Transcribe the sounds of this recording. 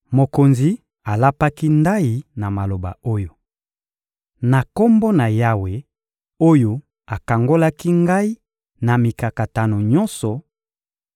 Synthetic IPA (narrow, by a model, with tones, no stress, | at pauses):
mo˨ko˨nzi˨ | a˨la˦pa˦ki˦nda˦i˨na˨ma˨lo˨ba̰˨o˦jo˨ | na˨ko˦mbo˦na˨ja˦we˨ | o˦jo˨˦ | a˨ka˨ŋɡo˦la˦ki˦ŋɡa˦i˦ | na˨mi˨ka˨ka˨ta˨no˨ɲɔ̃˦nsɔ˨